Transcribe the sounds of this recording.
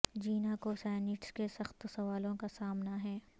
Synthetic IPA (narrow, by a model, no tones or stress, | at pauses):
d͡ʒiːnakosɛːnɪʈskesɐxt̪sɐʋaːlõkasaːmnaɦɛː